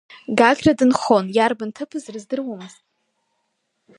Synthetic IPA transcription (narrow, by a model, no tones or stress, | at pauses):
ɡaɡʲradɨnχo̞njarbɨntʰɨpʰɨzrɨzdɨrwamɨztʼ